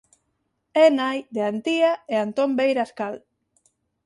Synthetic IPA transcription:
enajd̪eant̪iaeant̪ombejɾaskal

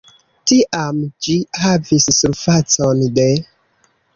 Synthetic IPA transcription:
tiʔamd͡ʒihavisːuɾfat͡sonde

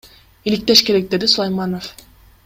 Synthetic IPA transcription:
ilʲik̚t̪eʃkʲe̞ɾek̚d̪e̞d̪isulˠajmanof

